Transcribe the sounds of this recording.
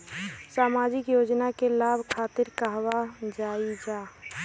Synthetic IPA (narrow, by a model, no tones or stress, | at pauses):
saːmaːd͡ʒɪkjoːd͡ʒnakelaːbʱkʰaːt̪ɪɾkəɦwad͡ʒaːid͡ʒaː